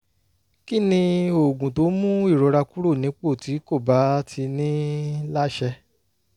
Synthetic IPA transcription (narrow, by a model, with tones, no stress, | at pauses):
ki˦nĩ˧o˨ɡũ˨to˨˦mũ˦i˦˨ɾo˨˧˦ɾa˧ku˦ɾo˦˨nĩ˨˦k͡po˦˨ti˨˦ko˦˨ba˨˦tʰi˧nĩ˦la˦ʃɛ˧